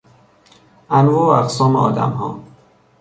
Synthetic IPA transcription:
ʔænvɒːoæqsɒːmeɒ̰ːd̪æ̰mɦɒ̰ː

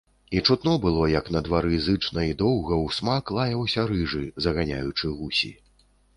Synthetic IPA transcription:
it͡ʂut̪nɔbɨlˠɔjɐknɐd̪vaɾɨzɨt͡ʂnɐid̪ɔwɣɐwsmaklˠajɐwsʲɐɾɨʐɨzɐɣanʲajut͡ʂɨɣusʲḭ

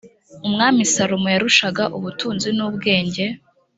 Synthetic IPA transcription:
umŋaːmisaɾomojaɾuʃaɡaʔuβutʰuːnzinuːbɡe̞ːɲɟe̞

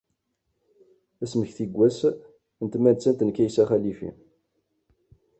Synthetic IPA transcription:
æsməçθiɡʷːæs | ənt̪mænt͡sːænt̪ənkæjsæχælifḭ

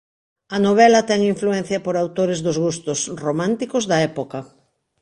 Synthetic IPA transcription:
ɐnoβ̞ɛlɐt̪ɛŋiɱfluɛn̟θjɐpoɾawt̪oɾɪzðozɣust̪ʊsromãnt̪ikozðɐɛpokɐ

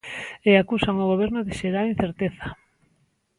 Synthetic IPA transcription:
eakusawŋoɣoβ̞eɾnoðɪʃeɾalin̟θeɾt̪eθa

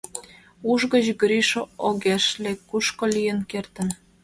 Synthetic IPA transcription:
uʒɣə̆ʑɣɾiʃooɣeʃlekuʃkolijə̆nkert̪ə̆n

